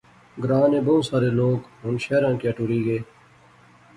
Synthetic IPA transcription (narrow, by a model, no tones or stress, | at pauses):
ɡɾaːneːbɐũsaːɾeːloːɡɦʊnɕeːɾãːkiɐʈuɾiːɡeː